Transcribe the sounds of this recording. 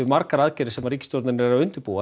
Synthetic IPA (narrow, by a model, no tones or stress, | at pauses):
ɪmaɾkaɾaðcɛɾɪ̥sɛmaɾricst̪jɔɾt̪ɪnɪɛɾawʏnt̪ʏɾpuːa